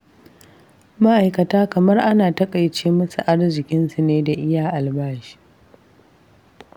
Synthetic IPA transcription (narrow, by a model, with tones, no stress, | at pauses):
ma˦ʔa˨jkɐ˨taː˦kɐ˨mɐ˦rʔa˦naː˨tɐ˦kʼa˨jt͡ʃeː˦mɐ˦su˨ʔa˦rzɪ˨kʲɪ˦nsu˨neː˦da˨ʔɪ˦jaː˨ʔa˨lbaː˦ʃi̥ː˦